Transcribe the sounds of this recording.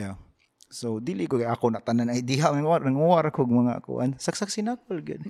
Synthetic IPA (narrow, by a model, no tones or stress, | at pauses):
a | sod̪ilɪkoɡajʔakonat̪ananajd̪iɦaʔnɐŋanɐŋuwaɾakoɡ̚mɐŋa̰ʔkʊ̰ʔa̰nsaksaksɪnak̚olɡɪ̰d̪̚